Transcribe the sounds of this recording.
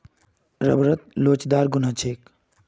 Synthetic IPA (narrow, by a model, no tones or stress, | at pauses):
ɾə̰bɾət̪̚loːt͡ʃd̪aːɾɡʊnat͡ʃʰeːk